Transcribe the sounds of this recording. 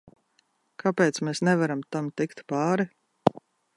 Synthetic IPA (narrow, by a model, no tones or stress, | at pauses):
kʰapeːt̪smeːsnɛvaɾamt̪amt̪ikt̪paːɾi